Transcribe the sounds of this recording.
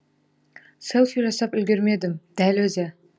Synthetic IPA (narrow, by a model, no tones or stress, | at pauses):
se̞lˠfiʒɑsɑpʏlɡʲe̞ɾme̞d̪ɪmd̪̥ælwɵzɪ